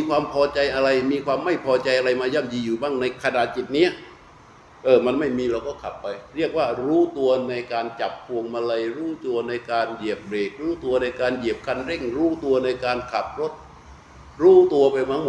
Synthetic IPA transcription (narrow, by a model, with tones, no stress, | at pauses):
miː˧kʰwaː˧mpʰɔː˧t͡ɕa˧jʔa˧ɾa˧jmiː˧kʰwaː˧mːa˥˩jpʰɔː˧t͡ɕa˧jʔa˧ɾa˧jmaː˧ja˧˥˩mjiː˧juː˨˩ba˥˩ŋna˧jkʰa˧na˨˩t̪̚t͡ɕi˨˩t̪̚ni˦˥ɐ | ʔɤː˧˩ma˧nma˥˩jmiː˧ɾa˧wkɔː˥˩kʰa˨˩pːa˧jɾi˥˩ək̚waː˥˩ɾuː˦˥t̪u˧ɐna˧jkaː˧nt͡ɕa˨˩p̚kʰu˧əŋma˧la˧jɾuː˦˥t̪u˧ɐna˧jkaː˧nji˨˩əp̚leː˨˩t̪̚ɾuː˦˥t̪u˧ɐna˧jkaː˧nji˨˩əp̚kʰa˧nɾe˥˩ŋɾuː˦˥t̪u˧ɐna˧jkaː˧nkʰa˨˩p̚ɾo˦˥t̪̚ | ɾuː˦˥t̪u˧ɐpa˧jmaː˧˥m˨˩